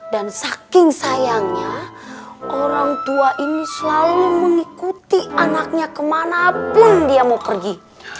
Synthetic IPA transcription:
dansakɪŋsajaŋɲa | ʔoɾaŋt̪uaʔinisəlaluməŋikut̪iʔanak̚ɲakəmanapʊndiamawkərɡi

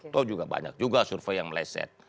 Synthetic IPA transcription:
t̪ɔd͡ʒuɡaba̰ɲa̰k̚d͡ʒuɡasurfejaŋməlaisɛ̰t̪̚

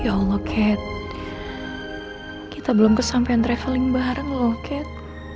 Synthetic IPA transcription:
jalokʰɛt̪̚ | kit̪abəlomkəsampaant̪ɾɛfəlɪŋbaɦɾəŋlokʰɛt̪̚

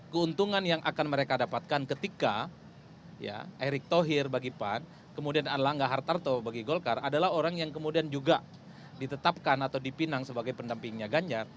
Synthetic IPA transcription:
kəunt̪uŋanjaŋʔa̰kanməɾekadapat̪̚kankət̪ika | ja̰ʔeɾɪk̚t̪oɦɪrbaɡipan | kəmudianadalahŋɡaʔɦart̪art̪obaɡiɡolkaradalaɦoɾaŋjaŋkəmudiand͡ʒuɡa | dit̪ət̪ap̚kanat̪awdipinaŋsəbaɡajpəndampɪŋɲaɡaɲd͡ʒar

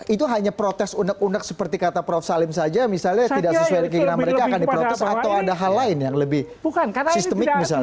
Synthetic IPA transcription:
it̪uɦaɲapɾot̪ɛsunək̚unək̚sə̥pərt̪ikat̪apɾɔfsalɪmsad͡ʒamisalɲat̪idaksəsuadkiɡənaməɾekaːnkandipɾot̪ɛsat̪awadaɦalːaɪnjaŋləbɪh | bukansist̪əmɪk̚mis̬al

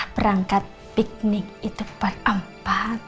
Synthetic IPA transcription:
b̥əɾaŋkat̪̚ | pik̚nɪk̚it̪upatʔəmpat̪

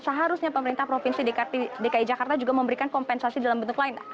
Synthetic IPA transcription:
səɦaɾusɲapəməɾint̪ahpɾofinsidekadekaid͡ʒakart̪ad͡ʒuɡaməmbəɾikankɔmpɛnsasidalambənt̪ʊklaɪna

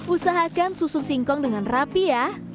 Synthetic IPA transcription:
ʔusaɦakansusʊp̚siŋkɔŋdəŋanrapiah

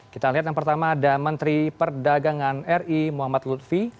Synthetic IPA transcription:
kit̪aliɦat̪̬jaŋpərt̪amaːdamənt̪ɾipərdaɡaŋanɛrimuɦamat̪lut̪̚fi

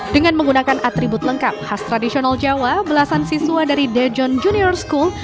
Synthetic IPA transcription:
dəŋanməŋɡunakanʔat̪ɾibʊt̪ləŋkap̚hast̪ɾadisionald͡ʒawabəlasansisuwadaɾidɛd͡ʒɔnd͡ʒuniɔrskul

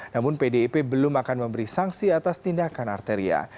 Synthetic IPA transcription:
namʊnpedeipebəlʊmakanməmbəɾisaŋsiat̪ast̪indakana̰rt̪eɾia̰

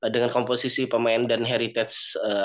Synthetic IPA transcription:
dəŋankomposisipəmaɛndanɦɛɾit̪ɛt̪sə

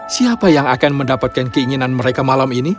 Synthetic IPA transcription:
siapajaŋakanməndapat̪̚kankəiŋinanməɾekamalamini

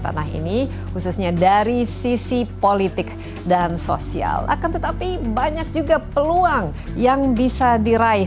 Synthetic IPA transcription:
t̪a̰naɦḭni | hususɲadaɾisisipolit̪ɪk̚ | danso̰sia̰la̰kant̪ət̪apibaɲak̚d͡ʒuɡapəluaŋ | jaŋbisadiɾai

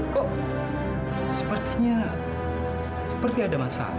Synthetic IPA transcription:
kɔʔ | sə̥pərt̪iɲa | sə̥pərt̪iadamasa̰

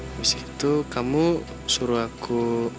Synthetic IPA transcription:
misi̥ki̥t̪ukamu | suɾuakʰu

